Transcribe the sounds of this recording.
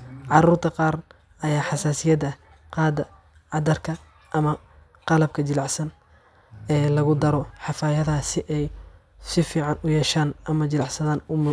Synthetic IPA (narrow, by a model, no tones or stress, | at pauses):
ʕɑruːrt̪ʰɐqɑːr | ɐjaːħɑsaːsɪjɐd̪ɐ | qɑːd̪ɐ | ʕɑd̪ɐrkʰɐ | ʔɐmɐ | qɑlɐb̚kʰɐt͡ʃɪlɑʕsɐn | ɛːlɐɣʊd̪ɐɾɔħɑfaːjɐðɐɦɐsɪʔɛj | sɪfiːʕɑnʊjɛːʃaːnʔɐmɐt͡ʃɪlɑʕsɐðaːnʊm